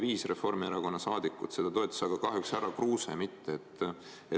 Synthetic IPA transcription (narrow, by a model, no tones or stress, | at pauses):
viːsre̞fo̞rmieɾɑko̞nːɑsɑːd̪̥ikːˑṵt̪se̞d̪̥ɑt̪o̞ːt̪ʲːˑɑ̥sɑɡ̥ɑkɑɦjuksæɾɑkruːsḛmit̪ːeet̪ː | e